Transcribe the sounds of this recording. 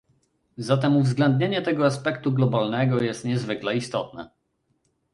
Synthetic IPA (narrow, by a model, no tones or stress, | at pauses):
zat̪ɛmuvzɡlɛnd̪ɲeɲɛt̪ɛɡɔaspɛkt̪uɡlɔbalnɛɡɔjɛst̪ɲɛzvɘklɛist̪ɔt̪̚nɛ̰